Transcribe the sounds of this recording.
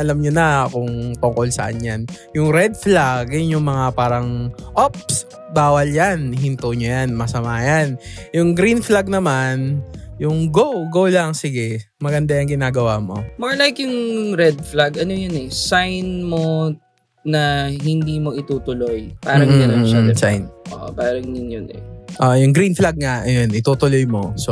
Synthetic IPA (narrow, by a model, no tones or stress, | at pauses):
ʔɐlɐmɲonɐɐkoŋt̪ʊŋko̞lsɐ̰ʔɐɲjanjʊŋɾɛd̪̚flaɡnjʊŋmɐŋapaːɾɐŋʔop̚s | baːwɐljanɦɪnt̪oɲojanmɐsɐmaːjanjʊŋɡɾinflaɡ̚nɐmanjʊŋɡowɡowlaŋsɪɡɛ | mɐɡɐnd̪ajɐŋɡɪnaːɡɐwaːmo̞̰moɹlajkjʊŋɾɛd̪̚flaɡɐnojonɛsajnmo | nɐɦɪnd̪iːmo̞ʔɪt̪uːt̪ʊlojpaːɾɐŋɐnoʃasa̰jnʔʔo̰ːʔo̰paːɾɐŋnɪnjonɛ̰ʔoʔjʊŋɡɾinflaɡ̚ŋɐɐjonʔɪt̪uːt̪ʊlojmo̞̰so